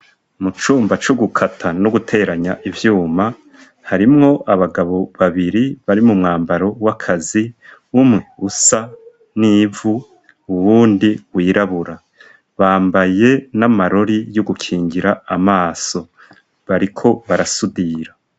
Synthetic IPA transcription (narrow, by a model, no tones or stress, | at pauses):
mut͡ʃuːmbat͡ʃoɡukʰatʰanoɡutʰe̞ɾaɲaʔivjuːma | haɾimŋo̞ʔaβaɡaβo̞βaβiɾiβaɾimumŋaːmbaɾo̞wakʰazi | umŋe̞usa | niːvuː | βuːndiwiːɾaβuɾa | βaːmbaje̞namaɾo̞ɾijoɡukʰiːŋɡiɾaːmaːso̞ | βaɾikʰo̞βaɾasudiɾa